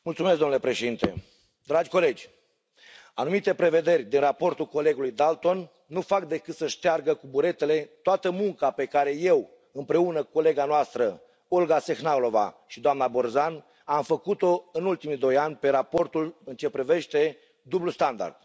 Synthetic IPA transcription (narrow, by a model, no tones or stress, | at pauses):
mult̪sumesɡ̪omnlepɾe̞ʃed̪int̪e̞̰ | d̪ɾad͡ʒʲko̞le̞d͡ʒʲ | anumit̪e̞pɾe̞ve̞d̪e̞rʲd̪inrapo̞rt̪ulko̞le̞ɡulujd̪alt̪o̞nː | ufak̚d̪e̞kɨt̪səʃt̪earɡəkubuɾe̞t̪e̞le̞t̪oat̪əmuŋkape̞kaɾe̞je̞w | ɨmpɾe̞unəkuole̞ɡanoast̪ɾə | olɡase̞xnawlo̞va̰ʃid̪oamnabo̞rzan | amfəkut̪o̞ɨnult̪imid̪o̞janʲpe̞ɾapo̞rt̪ulɨnt͡ʃe̞pɾive̞ʃt̪e̞ | d̪ublust̪and̪a̰rd̪̥